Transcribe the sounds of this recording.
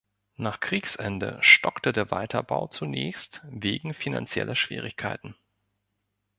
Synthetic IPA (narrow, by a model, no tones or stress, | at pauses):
naːχkʁ̥iːksʔɛndə̰ʃtɔktədeːɐvaɪtʰɐba̰ʊt͡sunɛːçstveːɡŋ̩fina̰nt͡sjɛ̰lʔɐʃv̥ḭːʁɪçkʰaɪtn̩